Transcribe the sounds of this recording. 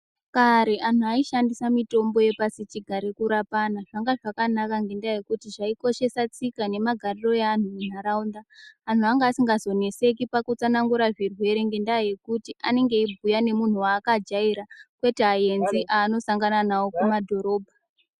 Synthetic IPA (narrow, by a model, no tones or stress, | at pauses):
kaɾeʔanuaiʃandisamito̞mbo̞je̞pasit͡ʃiɡʱaɾekuɾapanaʐ̥aŋɡaʐakanakaŋɡe̞ndaje̞kutiʐaiko̞ʃe̞sat͡sikane̞maɡʱariro̞jean̤umun̤aɾaund̪aːn̤uaŋɡaːsiŋɡazo̞ne̞se̞k̬ipakut͡sanaŋɡuɾaʐirwe̞ɾe̞ŋɡe̞ndaje̞kutiʔane̞ŋɡe̞ibʱujane̞mun̤uwaːkad͡ʒaiɾakwe̞teɦaje̞nziʔaːno̞saŋɡananawo̞kumadʱo̞ɾo̞ːbʱa